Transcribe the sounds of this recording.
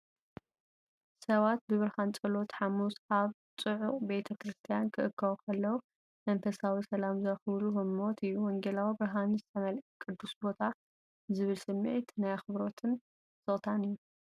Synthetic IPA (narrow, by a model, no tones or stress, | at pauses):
sɐβat̪̚bɨβɨɾhant͡sʼɐlo̞t̪ħamusaβ | t͡sʼɨʕuχʼbe̞t̪ʰɐkɾɨst̪ʰijankʰɨʔɨkːɐwkʰɐlːɐwu | mɐnfɐsawisɐlamzɐxɨβluhɨmot̪ʰɨjːuwɔŋɡelawibɨɾɦanizɨt̪ʰɐmɐlkʼɨd̪ːusbo̞t̪ʰa | zɨβɨlsɨmːʕit̪najxɨβɾo̞t̪ʰɨn | z̥ɨʔʼt̪ʰanɨjːu